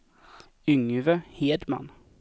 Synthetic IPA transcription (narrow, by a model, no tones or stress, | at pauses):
ʏŋvəheːd̪ma̰n